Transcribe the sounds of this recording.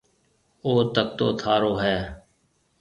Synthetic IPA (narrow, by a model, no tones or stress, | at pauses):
oːt̪ək̚t̪o̰ːt̪ʰaːɾoːɦɛː